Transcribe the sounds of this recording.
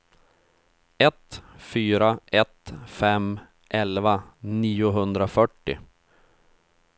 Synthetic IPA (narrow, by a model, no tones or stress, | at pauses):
ɛt̪fyːɾaʔɛt̪fɛm | ʔɛlvaniːʊɦɵnd̪ɾafœʈːɪ̰